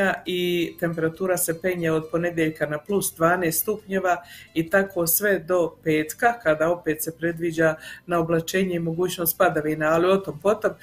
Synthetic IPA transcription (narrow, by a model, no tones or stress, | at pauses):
ait̪e̞mpe̞ɾat̪uːɾase̞pe̞ɲeod̪̚po̞ne̞d̪jeʎkanaplusd̪ʋaːne̞ːst̪t̪upɲeʋait̪akʰo̞ːsʋe̞d̪o̞pe̞ːt̪kakad̪ao̞pe̞ːt̪se̞pɾe̞d̪ʋid͡ʑanao̞blˠat͡ʃe̞ːɲeimo̞ɡuːt͡ɕno̞ːst̪̚pad̪aʋinaːlio̞t̪ompo̞t̪o̞m